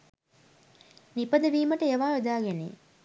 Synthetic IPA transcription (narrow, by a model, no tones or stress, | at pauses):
nipɐd̪ɐʋiːməʈəeʋaːud̪aːɡenḛ